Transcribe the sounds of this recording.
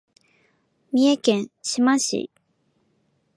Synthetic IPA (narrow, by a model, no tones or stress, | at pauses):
miɛkɛnɕʰimaɕḭʔ